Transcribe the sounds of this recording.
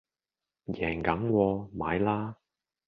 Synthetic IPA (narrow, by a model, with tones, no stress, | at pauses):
jɛː˨˩ŋkɐ˨˥mkʷɔː˧ma̰ː˨˧jlaː˥